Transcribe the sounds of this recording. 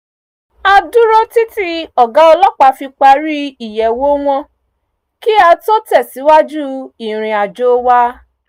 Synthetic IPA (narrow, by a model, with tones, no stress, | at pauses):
a˧du˦ɾo˦ti˦ti˦ɔ˨ɡa˨˦ɔ˧lɔ˦k͡pa˧fi˧k͡pa˧ɾi˦i˦˨jɛ˨wo˦w̃ɔ̃˧ | ki˦a˧to˦tɛ˦˨si˨˦wa˦d͡ʒu˦i˨ɾ̃ĩ˧a˨d͡ʒo˦wa˦